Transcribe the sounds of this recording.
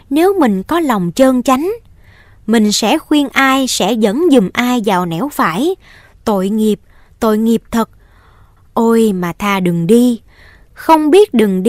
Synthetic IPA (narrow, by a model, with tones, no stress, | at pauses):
ne˨˦wmï˨˩ŋ̟kɔ˨˦la˨˩wŋ͡mt͡ɕəː˧nt͡ɕa˨˦jŋ̟ | mï˨˩ŋ̟sɛ̰˧˥xwi˧ənʔaː˧jsɛ̰˧˥zə̰˧˥nzɨ˨˩mʔaː˧jzaː˨˩wnɛ˧˥wfaː˧˩j | t̪o̰˧˨jŋi˨˩əp̚ | t̪o̰˧˨jŋi˨˩əp̚t̪ʰə˨˩t̚ | ʔo˧jmaː˨˩t̪ʰaː˨˩ɗɨ˨˩ŋɗi˧ | xə˧wŋ͡mɓi˦˥ət̚ɗɨ˨˩ŋɗ